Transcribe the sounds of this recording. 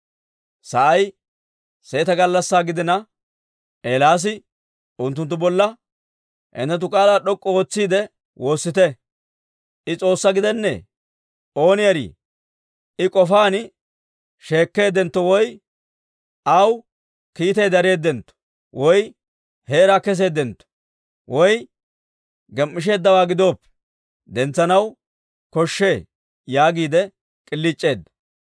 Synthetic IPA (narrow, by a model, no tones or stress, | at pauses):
sɐʔɐj | se̞ːt̪ɐɡɐlːɐsːaːɡɪd̪ɪnɐ | ʔeːlaːs̬ɪ | ʊnt̪ːʊnt̪ːʊbɔlːɐ | hɛ̰nt̪ːɛt̪̬ʊkʼaːlaːɗɔkʼːɔoːt͡sːiːd̪ɛ | wʔo̞ːsːɪt̪ɛ | ʔɪt͡sʼo̞ːsːɐɡɪd̪ɛnːɛ̰ | o̞ːnɪjɐɾḭː | ɪkʼɔfaːn | ʃe̞ːkːe̞ːd̪ɛnt̪ːɔwɔj | ɐw | kiːt̪ɛjd̪ɐɾe̞ːd̪ːɛnt̪ːɔ̥ | wɔj | heːɾakɛs̬e̞ːd̪ɛnt̪ːɔ̥ | wɔj | ɡɛmːɪʃ̬e̞ːd̪ːɐwaːɡɪd̪o̞ːpːɛ̥ | d̪ɛnt͡sːɐnɐw | kɔʃːe̞ː | jaːɡiːd̪ɛ | kʼɪlːɪt͡ʃʼːe̞ːd̪ɐ